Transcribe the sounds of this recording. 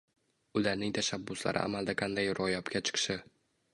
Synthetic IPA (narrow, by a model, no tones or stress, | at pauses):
ʊlaɾnɪŋt̪ʰaʃabːʊsla̰ɾʔɪ̰ʔa̰mald̪aqʰand̪ajɾɒjɒpkʲʰat͡ʃʰɨ̥qʰʃɪ